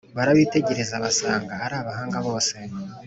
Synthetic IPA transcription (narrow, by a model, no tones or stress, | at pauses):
βaɾaβiːte̞ɟe̞ɾe̞zaβasaːŋɡahaɾaːβahaːŋɡaβo̞ːse̞